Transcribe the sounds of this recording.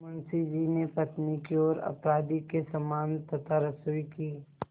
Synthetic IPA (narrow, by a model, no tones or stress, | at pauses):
mʊnsid͡ʒinepɐt̪nikiɔːɾɐ̰pɾaːd̪ikesɐmaːnt̪ɐt̪aɾɐsuːikiː